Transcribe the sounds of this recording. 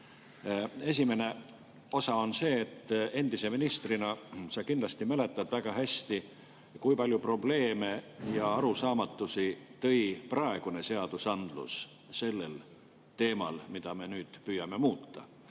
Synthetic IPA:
e̞s̬ʲimene̞ | o̞sɑo̞nse̞ːt̪ːˑe̞nd̪̥ise̞minist̪rinɑsɑkind̪lɑst̪imæle̞t̪ːˑɑd̪̥væɡ̥ɑɦæst̪i | kujpɑlʲjupro̞ble̞ːme̞jɑɑɾusɑːmɑt̪ːˑusit̪ɤ̞jprɑe̞ɡ̥une̞se̞ɑd̪̥usɑnd̪̥lṵs | se̞lːe̞l | t̪e̞ːmɑ̰lmid̪̥ɑme̞nyːd̪̥pyːjɑme̞muːt̪ːˑɑ̰

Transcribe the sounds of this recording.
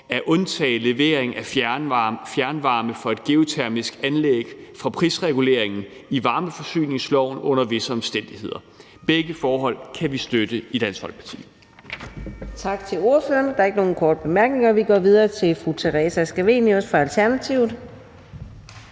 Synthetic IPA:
æʔɔ̽nt͡sʰɛ̰ːɪle̝ʋe̝ɐe̝ŋæ | fjæɐnʋɑ̈ːməfɒ̽e̝d̥̚ɡ̥e̝o̝t͡sʰæɐmisɡ̥ænleɡ̥fʁɑ̈pʰʁisʁɛɡ̥ule̝ɐ̰e̝ŋn̩ | iʋɑ̈ːməfɒ̽sy̰ːne̝ŋslɒʊ̰nɔ̽n̰ɐʋe̝səɒ̽msd̥en̰d̥ihe̝ð̰ˠɐ | b̥eɡ̥əfɒːɦɒ̽l̰kʰæʋisd̥ød̥əid̥æn̰shɒ̽l̰̥̚pʰɑ̈t͡sʰḭː | t͡sʰɑ̈ɡ̥t͡sʰe̝lo̝ɐføːɐnd̥ɑɐe̝ɡ̥əno̝ːn̩kʰɒːd̥əb̥e̝mæɐɡ̥ne̝ŋɐʋiɡ̥ɒʋið̞ˠɐːt͡sʰe̝lfʁut͡sʰeʁɛsæsɡ̥æʋe̝̰njusfʁɑ̈ælt͡sʰæɐnæt͡sʰiʊ̰ð̩ˠ

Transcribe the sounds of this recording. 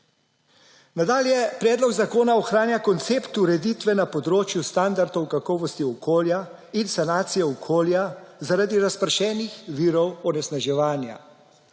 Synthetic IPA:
nad̪aːljɛpɾɛːd̪lɔɡzakoːnaɔxɾaːnjakɔnt̪seːpt̪uɾɛd̪it̪ʋɛnapɔd̪ɾoːt͡ʃjust̪and̪aɾd̪ɔwkakɔːʋɔst̪iɔkoːlja | insanaːt̪sijɛɔkʰoːljazaɾad̪iɾaspəɾʃɛːnixʋiːɾɔwɔnɛsnaʒɛʋaːnja̰

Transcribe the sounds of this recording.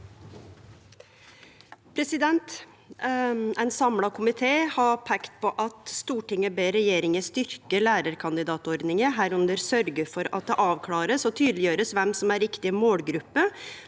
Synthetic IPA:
pʰɾɛsɪd̪ɛnt̪ | æɪnsɑmlɑkʰʊmɪt̪ʰeːhɑpʰɛkt̪̚pʰɔʔɑt̪st̪uːʈɪŋəbeːɾɛjeːɾɪŋəst̪ʏɾkəlæːɾəɾkʰɑnd̪ɪd̪ɑːt̪ɔɾd̪nɪŋəɦæːɾʉnd̪əɾsœɾɡəfɔɾɑ̰t̪̚d̪ɛʔɑːʋkʰlɑːɾəsɔt̪ʰyːd̪lɪjøːɾəsʋɛmsɔmæɾɪkt̪ɪmoːlɡɾʉpːə

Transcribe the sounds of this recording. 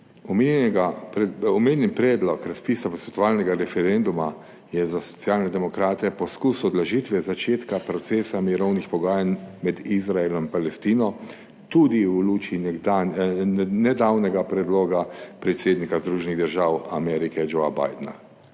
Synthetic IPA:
ɔmɡaɔmeːnʲɛnpɾɛːd̪lɔkɾaspisapɔsɛt̪ʋaːlnɛɡaɾɛfɛɾend̪uma | jɛzasɔ̥t̪sjaːlnɛd̪ɛmɔkɾaːt̪ɛpɔskusuɔd̪laʒit̪ʋɛzat͡ʃeːt̪kapɾɔt̪seːsamiɾɔwnixpɔɡaːjanmɛd̪izɾaelɔmipalɛst̪iːnɔ | t̪ud̪iuluːt͡ʃinɛannɛd̪awnɛɡapɾɛd̪loːɡapɾɛt̪seːd̪nikazd̪ɾuːʒɛniɣd̪əɾʒawa̰mɛɾikɛd͡ʒoaba̰jd̪na̰

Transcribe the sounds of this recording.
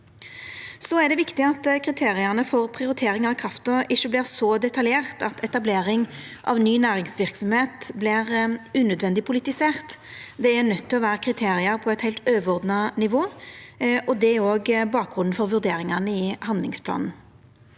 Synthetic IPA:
sɔæd̪ɛʋɪkt̪ɪɑt̪kʰɾɪt̪ʰeːʁɪɑnəfɔʁpʰʁɪʊɾɪt̪ʰeːɾɪŋɑʁkʰʁɑft̪əʁɪʃːəblɪʁsɔd̪ɛt̪ʰɑljeːʁt̪ɑt̪ʰɛt̪ɑbleːɾɪŋ | ʔɑ̰ʋnyːnæːʁɪŋsʋɪʁksɔmheːt̪blɪʁʉːnœd̪ʋɛnd̪ɪpʰʊlɪt̪ɪseːʁt̪d̪ɛæʁnœt̪ʰːɪlɔʋæːʁəkʰʁɪt̪ʰeːɾɪɑɾpʰɔɛt̪hæɪlt̪øːʋəʁɔʁd̪nɑnɪʋoː | ʔɔd̪ɛoːɡbɑːk̚ɡʁʊnn̩fɔʁʋʉʁd̪eːɾɪŋɑnəɪhɑnd̪lɪŋspʰlɑ̰ːnn̩

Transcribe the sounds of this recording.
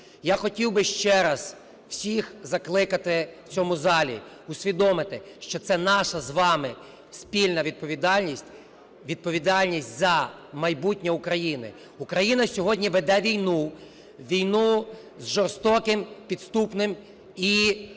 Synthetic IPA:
jaxɔtʲiwbɪʃt͡ʃɛɾɐz | w̥sʲixzɐklˠɪkɐt̪ɪwt͡sʲɔmʊzɑlʲḭ | ʊsʲʋʲid̪ɔmɪt̪ɪʃt͡ʃɔt̪sɛnɑʃɐzʋɑmɪ | spʲilʲnɐʋʲid̪̚pɔʋʲid̪ɑlʲnʲisʲtʲ | ʋʲid̪̚pɔʋʲid̪ɑlʲnʲisʲtʲzɐ | mɐjbutʲnʲɐʊkɾɐjinɪ̰ | ukɾɐjinɐsʲɔɦɔdʲnʲiʋed̪ɛʋʲijnu | ʋʲijnu | zʒɔrst̪ɔkɪmpʲid̪st̪upnɪm | i

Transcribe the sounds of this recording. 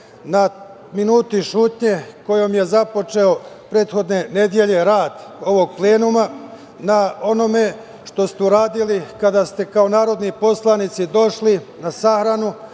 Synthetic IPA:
na | minuːt̪iʃuːt̪ɲe̞ko̞jo̞mje̞zapo̞t͡ʃe̞o̞ | pɾe̞ːt̪xo̞d̪ne̞ne̞d̪je̞ʎe̞ɾaːd̪ | o̞ʋo̞ɡ̚ple̞ːnuma | nao̞no̞me̞ | ʃt̪o̞st̪euɾaːd̪ilikad̪aːst̪e̞kao̞naːɾo̞d̪nipo̞slˠanit̪sid̪o̞ʃlinasaxɾanu

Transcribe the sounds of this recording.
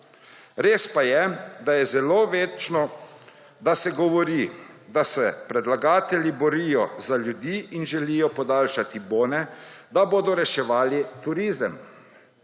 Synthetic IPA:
ɾeːspajɛd̪ajɛzɛloːʋeːt͡ʃnɔ | d̪asɛɡɔʋɔɾid̪asɛpɾɛd̪laɡaːt̪ɛlʲjibɔɾiːjɔzaljud̪iːʔinʒɛliːjɔpɔd̪aːlʃat̪iboːnɛd̪aboːd̪ɔɾɛʃɛʋaːlit̪uɾiːzəm

